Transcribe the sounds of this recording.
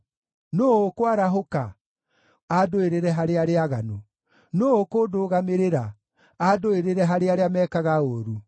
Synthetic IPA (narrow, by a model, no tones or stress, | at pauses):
noːokwaɾaɦoka | adoeɾeɾɛɦaɾeaɾeaɣano | noːkodoːɣameɾeɾa | adoeɾeɾɛɦaɾeaɾeamɛkaɣaoːɾu